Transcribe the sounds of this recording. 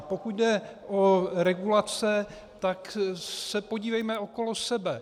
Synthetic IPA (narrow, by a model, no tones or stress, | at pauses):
pokud̪dɛʔoɾɛɡulat͡sɛ | t̪aksɛpoɟiːvɛjmɛoko̞losɛbɛ